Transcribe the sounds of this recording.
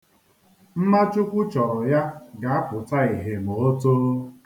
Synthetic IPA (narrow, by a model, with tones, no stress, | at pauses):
m̩˦ma˦t͡ʃʊ˦kʷʊ˦t͡ʃɔ˨ɾɔ˨ja˦ɡa˨a˦pʊ˨ta˦i˨ɦe˨mo˨o˦to˦